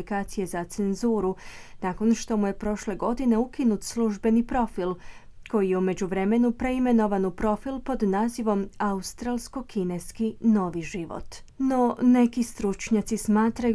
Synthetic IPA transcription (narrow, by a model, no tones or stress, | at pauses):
likaːt̪sije̞zat̪se̞nzuːɾunaːko̞nʃt̪o̞muje̞pɾo̞ʃle̞ɡo̞d̪ine̞ukinut̪slˠuʒbe̞nipɾo̞fil | ko̞jijeume̞d͡ʑuʋɾe̞me̞nupɾe̞ime̞no̞ʋanupɾo̞filˠpo̞d̪naːziʋo̞maust̪ɾalˠsko̞kineskino̞ːʋiʒiʋo̰t̪ | no̞ne̞kist̪ɾut͡ʃɲat̪sismaːt̪ɾaj